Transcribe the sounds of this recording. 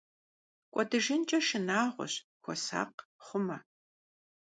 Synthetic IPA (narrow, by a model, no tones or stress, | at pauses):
kʷʼɔdɨʒɪnt͡ʃʼɐʃɨnaːʁʷɔ̰ɕkʷʰɔ̰sa̰ːqχʷʊmɐ